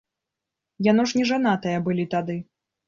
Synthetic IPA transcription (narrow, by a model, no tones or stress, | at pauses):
janɔʂnʲɛʐanat̪ɐjɐbɨlʲit̪ad̪ɨ